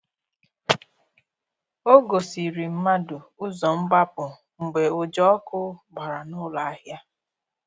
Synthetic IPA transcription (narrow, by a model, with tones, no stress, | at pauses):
o˦ɡo˨si˨ɾi˨m̩˦ma˦dʊ˨ʊ˦zɔ˨ŋ͡m̩˦ɡ͡ba˦pʊ˨ | ŋ͡m̩˨ɡ͡be˨o˨d͡ʒɔ˦ɔ˦kʊ˦ɡ͡ba˨ɾa˨nʊ˦la˨a˦ɦja˦